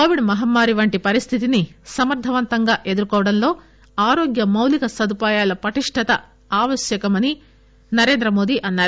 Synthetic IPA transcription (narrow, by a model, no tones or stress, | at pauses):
koːʋiɖmɐɦɐmːaːɾiʋɐɳʈipɐɾist̪ʰit̪inisɐmɐɾd̪ʱɐʋɐnt̪ɐŋɡaːʔe̞d̪uɾkɔːʋɐɽɐnlo̞ː | aːɾoːɡjɐmɐwlikɐsɐd̪upaːjaːlɐpɐʈiʂʈʰɐt̪ɐ | aːʋɐʃjɐkɐmɐni | nɐɾe̞ːnd̪ɾɐmo̞ːd̪iʔɐnːaːɾu